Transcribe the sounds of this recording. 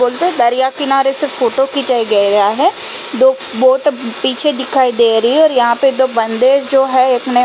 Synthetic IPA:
oːlt̪eɛ̃d̪ɐɾɪjakɪnaːɾesefoːʈokit͡ʃaiɡɐeɾɐaɦɛː | d̪oː | boːʈpiːt͡ʃʰed̪ɪkʰaːid̪eːɾɐɦiɔːɾjɐɦãped̪oːbɐ̃nd̪ed͡ʒoːɦɛekne

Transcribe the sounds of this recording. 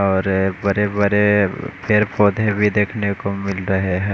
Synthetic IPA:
ɔːɾbəɾebəɾepʰeɾpoːd̪ʱebʱid̪eːkʰnekomɪlɾɐɦeɦɛ̃ː

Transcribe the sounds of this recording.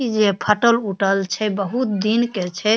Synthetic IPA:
id͡ʒepʰəʈəluʈəlt͡ʃʰɛbəɦut̪̚d̪inket͡ʃʰɛ

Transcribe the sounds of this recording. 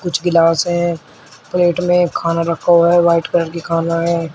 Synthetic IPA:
kʊt͡ʃʰɡɪlaːsɦɛ̃ː | pleːʈmẽkʰaːnaɾəkʰaɦɛːʋaːɪʈkəɾəɾkikʰaːnaɦɛː

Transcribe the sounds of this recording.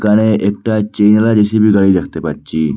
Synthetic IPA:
kañeʔek̚ʈat͡ʃejnlad͡ʒesibʱiɡaɭid̪ekʰt̪epatːt͡ʃi

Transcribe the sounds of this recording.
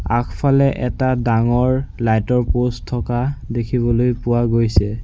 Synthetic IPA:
a̰kʰpʰalɛʔɛtadaŋɔɹlajtɔɹposʰɔkadekʰibɔlojpʊwaɡojsɛ

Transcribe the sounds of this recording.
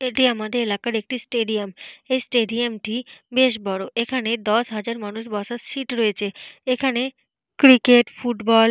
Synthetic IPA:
eʈiamad̪eɾelakaɾek̚ʈisʈeɖiamejsʈeɖiamʈibeʃbɔɽoʔekʰaned̪ɔʃɦad͡ʑaɾmanuʃbɔʃaʃiʈɾoet͡ɕʰeekʰane | kɾikeʈfuʈbɔl

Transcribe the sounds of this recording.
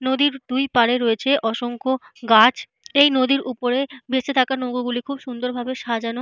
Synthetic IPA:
nod̪iɾd̪̥ujpaɾeɾoet͡ɕʰeʔɔʃoŋko | ɡat͡ɕ | ejnod̪iɾupoɾebeʃet̪ʰakanoɡoɡulikʰubʃund̪oɾbʱabeʃad͡ʑano

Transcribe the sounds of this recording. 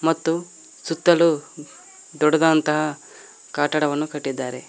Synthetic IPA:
mɐt̪ːu | sut̪ːɐlu | d̪ɔɽɐd̪aːnt̪ɐɦɐ | kaːʈɐɽɐʋɐnːukɐʈːid̪ːaːɾe̞

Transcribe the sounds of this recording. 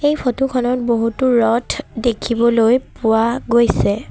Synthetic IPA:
ejpʰotukʰɔnɔt̚boɦutuɹɔtʰdekʰibɔlojpʊwaɡojsɛ

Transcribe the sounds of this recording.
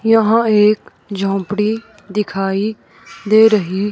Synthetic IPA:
jəɦãːeːk | d͡ʒʱõːpɽiː | d̪ɪkʰaːiː | d̪eːɾəɦiː

